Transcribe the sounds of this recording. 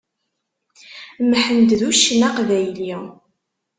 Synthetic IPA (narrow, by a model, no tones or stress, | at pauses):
mħənd̪ðuʃnæqvæjli